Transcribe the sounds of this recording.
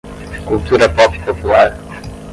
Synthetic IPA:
kulˠt̪uɾɐpɔpi̥populˠaɾ

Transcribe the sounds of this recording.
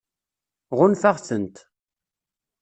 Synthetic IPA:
ʁʊnfaʁθənt̪

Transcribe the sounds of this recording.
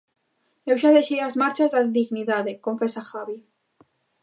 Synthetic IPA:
ewʒaðeʃejazmaɾt͡ʃazðaðiɣniðaðekoɱfesaxaβi

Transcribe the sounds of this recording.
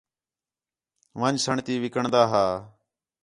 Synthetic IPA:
ʋənd͡ʒsəɳt̪iːʋɪkəɳd̪aːɦaː

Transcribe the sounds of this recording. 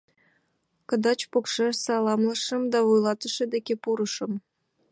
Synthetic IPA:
kə̆d̪ɑt͡ɕpokʃeʃsɑlˠɑmlə̆ʃə̆md̪ɑvujlˠɑt̪ə̆ʃĕd̪ekʲepuɾə̆ʃɤ̆m

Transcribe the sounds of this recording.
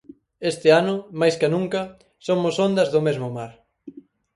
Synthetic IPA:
est̪ɪanʊmajskanũŋkɐ | somʊsond̪ɐzðʊmezmʊmaɾ

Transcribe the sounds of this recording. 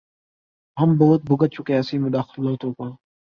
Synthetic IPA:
ɦəmboːʊt̪̚bʱʊɡət̪̚t͡ʃʰʊkẽɐsiːmed̪aːxɪlɦoːt̪ʰõːkoː

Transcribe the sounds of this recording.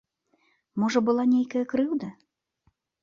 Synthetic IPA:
mɔʐɐbɨlˠanʲejkɐjɐkɾɨwd̪ɐ

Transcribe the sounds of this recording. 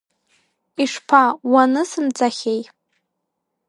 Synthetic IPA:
iʂpʰawanɨsɨmt͡sʰʼaχʲej

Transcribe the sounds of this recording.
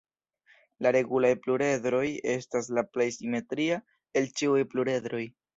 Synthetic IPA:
laɾe̞ɡulajpluɾe̞dɾo̞je̞staslaplajsime̞tɾia | e̞lt͡ʃiujpluɾe̞dɾo̞j

